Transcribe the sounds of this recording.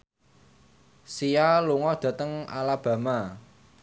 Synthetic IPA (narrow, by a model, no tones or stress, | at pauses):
sijaluŋɔd̪̥a̤t̪əŋa̰lab̥ä̤ma